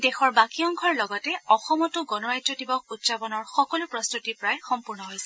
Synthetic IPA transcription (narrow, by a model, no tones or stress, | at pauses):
dexɔɹbakijɔŋkʰɔɹlɔɡɔtɛɔxɔmɔtuɡɔnɔɹajdɹɔdibɔkutsapɔnɔɹxɔkɔlupɹɔst̪utipɹajxɔmpuɹnɔɦojsɛ